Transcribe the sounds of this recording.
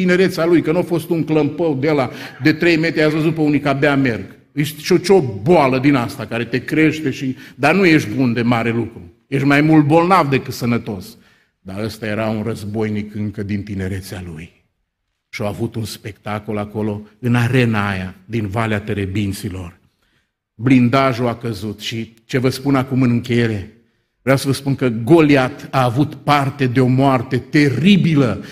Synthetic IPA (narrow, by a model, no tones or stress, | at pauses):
ine̞ɾe̞t̪salujkənuafo̞st̪uŋkləmpəwd̪elad̪e̞t̪ɾe̞jme̞t̪ʲeasvəzupəunikabeame̞rɡ | ɨʃt̪ʃot͡ʃoboaləd̪inast̪akaɾe̞t̪e̞kɾeʃt̪e̞ʃid̪anujeʃt̪bund̪e̞maɾe̞lukɾu | jeʃʲmajmult̪̚bo̞lnavd̪e̞kɨt̪sənət̪o̞s | d̪aəst̪aje̞ɾaunrəzbo̞jnikɨŋkəd̪int̪ine̞ɾe̞t̪sealuj | ʃioavut̪unspe̞kt̪ako̞lako̞lo̞ɨnaɾe̞najad̪invaleat̪e̞ɾe̞bint̪silo̞r | blind̪aʒuakəzut̪ʃi | t͡ʃe̞vəspunakumɨnɨŋkʲe̞je̞ɾe̞ | veawsəvəspunkəɡo̞liat̪aːvut̪part̪e̞d̪e̞o̞moart̪e̞t̪e̞ɾibilə